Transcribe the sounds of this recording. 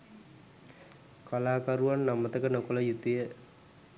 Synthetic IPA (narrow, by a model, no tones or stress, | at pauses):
kalaːkaɾuʋanːamət̪əkənokoləjut̪ijə